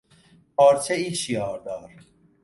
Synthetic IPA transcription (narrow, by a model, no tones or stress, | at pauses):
pʰɒːɾt͡ʃʰeiːʃijɒːɾd̪ɒːɾ